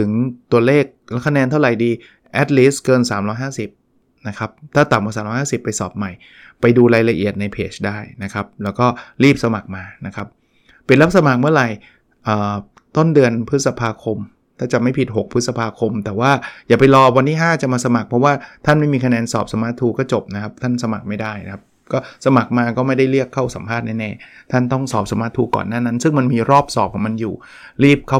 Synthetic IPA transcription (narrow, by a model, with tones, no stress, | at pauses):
t̪ʰɯ˩˦ŋt̪u˧ɐleː˥˩k̚lkʰa˧nɛː˧nt̪ʰa˥˩wɾa˨˩jdiː˧ | ʔɛ˦˥t̪̚liː˦˥skɤː˧nsaː˩˦mɾɔː˦˥jɦaː˥˩si˨˩p̚ | na˦˥kʰa˦˥p̚t̪ʰaː˥˩t̪a˨˩mka˧saː˨˦ɾɔː˦˥haː˥˩si˨˩pːa˧jsɔː˨˩p̚ma˨˩jː | a˧jduː˧ɾaː˧jla˧ʔi˨˩ət̪̚na˧jpʰeː˦˥t͡ɕʰdaː˥˩jna˦˥kʰa˦˥p̚lɛː˦˥wkɔː˥˩ɾiː˥˩p̚sa˧ma˨˩k̚maː˧na˦˥kʰa˦˥p̚ː | i˨˩la˦˥p̚sa˧ma˨˩k̚mɯ˥˩ɐɾa˨˧˩j | ʔəː˨˩ | t̪o˥˩ndɯ˧ənpʰɯ˦˥t̪̚sa˧pʰaː˧kʰo˧m | t̪ʰaː˥˩t͡ɕa˨˩ma˥˩jpʰi˨t̪̚ɦo˨˩k̚pʰɯ˦˥t̪̚sa˧pʰaː˧kʰo˧mt̪ɛː˨˩waː˥˩jaː˨˩pa˧jlɔː˧wa˧nt̪iː˥˩ɦaː˥˩t͡ɕa˨˩maː˧sa˧ma˨˩k̚pʰɔ˦˥waː˥˩t̪ʰa˥˩nma˥˩jmiː˧kʰa˧nɛː˧nsɔː˨˩p̚sa˧maː˦˥t̪ʰːuː˧kɔː˥˩t͡ɕo˨˩p̚na˦˥kʰa˦˥p̚t̪ʰa˥˩nsa˧ma˨˩k̚ma˥˩jda˥˩jna˦kʰa˦˥p̚ | kɔː˥˩sa˧ma˨˩k̚maː˧kɔː˥˩ma˥˩jda˥˩jli˥˩əkʰːa˥˩wsa˩˦mpʰaː˥˩t̪̚nɛ˥˩nɛː˥˩t̪ʰa˥˩nt̪ɔ˥˩ŋsɔː˨˩p̚sa˧ma˦˥t̪ʰːuː˧kɔ̰ː˨˩nːaː˥˩na˦˥nsɯ˥˩ŋma˧nmiː˧ɾɔː˥˩p̚sɔː˨˩p̚kʰːma˧njṵː˨˩ | ɾiː˥˩p̚kʰa˥˩